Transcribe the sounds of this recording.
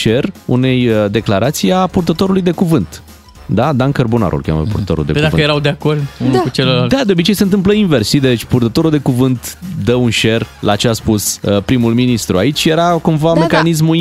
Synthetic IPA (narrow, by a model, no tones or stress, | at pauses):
ʃe̞rṵne̞jəd̪e̞klaɾʔat̪siapurt̪ət̪o̞ɾulujd̪e̞kuvɨnt̪ | d̪ad̪ankərbuna̰ɾʔṵlkʲa̰mə̰puɾrt̪ət̪oɾṵld̪ekduavɨəjeɾawd̪eako̞rd̪unukut͡ʃelolad̪ad̪eobit͡ʃe̞jse̞ɨnt̪ɨmp̬ləinversʃid̪et͡ʃʲpurt̪ət̪o̞ɾuld̪e̞kuvɨnt̪d̪əunʃe̞rlat͡ʃeaspusəpɾimulminist̪ɾuait͡ʃʲje̞ɾakumvamekaniz̬mu